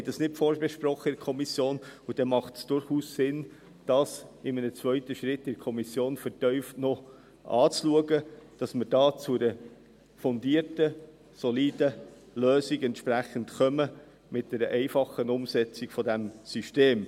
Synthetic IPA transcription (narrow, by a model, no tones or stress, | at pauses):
hɛjdɑsnɪt̚fɔɾbɛʃpɾɔχːəɪdkʰɔmisjoːnud̥ɛmɑχtsd̥ʊɾχuːssɪn | d̥ɑsɪmənət͡svœʏtəʃɾɪtːɪɾkʰɔmisjoːnfəɾtœʏftnɔ | ʔɑ̰ːt͡sluəɡəd̥ɑsməɾdɑːt͡sʊɾə | fɔndiːəɾtə | sɔliːd̥ə | løːsiɡɛntʃpɾæχəntχœmə | mɪt̚d̥ɛɾəʔɛɪfɑχənʊmsɛt͡sɪɡfɔdɛmsyʃteːm